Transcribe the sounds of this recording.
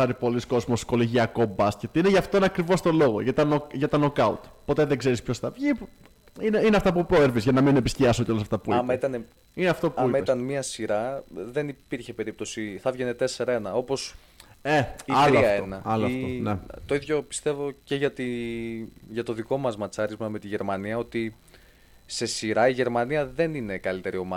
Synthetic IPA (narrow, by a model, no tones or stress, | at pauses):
ɐɾipo̞lisko̞zmo̞sko̞liʝiɐko̞bɐscet̪ineʝɐft̪oineɐkɾivo̞st̪o̞lo̞ɣo̞̰ʝɐt̪ɐnokʝɐt̪ɐnokɐṵt̪po̞t̪e̞ðeɡze̞ɾispço̞sθɐvʝip | ineineɐft̪ɐpupɾoeɾvizʝɐnɐmine̞pisciɐsoceolɐsɐft̪ɐpuɐmɐit̪ɐne | ineɐft̪o̞pɐuimɐit̪ɐnmiɐsiɾɐðenipiɾçe̞pe̞ɾip̚t̪o̞siθɐvʝe̞ne̞t̪e̞se̞ɾɐe̞nɐo̞po̞s | eiiɐɐenɐɐloonet̪o̞iðʝo̞pi̥st̪e̞vo̞ce̞ʝɐt̪i | ʝɐt̪o̞ðiko̞mɐzmɐt͡sɐɾizmɐme̞t̪iʝe̞ɾmɐniɐo̞t̪i | se̞siɾɐiʝe̞ɾmɐniɐðe̞nine̞kɐlit̪e̞ɾio̞mɐ